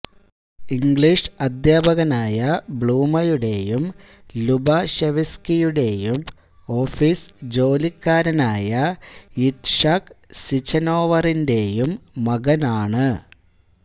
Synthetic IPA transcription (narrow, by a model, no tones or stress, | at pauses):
iŋɡɭiʂɐd̪jaːbʱɐɣɐnaːjɐbɭuːmɐjuɽe̞jum | lubɐɕeʋiskijuɽe̞jum | o̞ːfisd͡ʑo̞ːlikːaːɾɐnaːjɐit̪ʂaːk | sit͡ɕɐno̞ːʋɐrinde̞jumːɐɣɐnaːɳɨ